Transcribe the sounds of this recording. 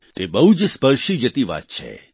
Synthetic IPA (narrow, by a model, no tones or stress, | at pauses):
t̪ebəɦud͡ʒspəɾʃid͡ʒət̪iʋa̰t̪̚t͡ʃʰḛ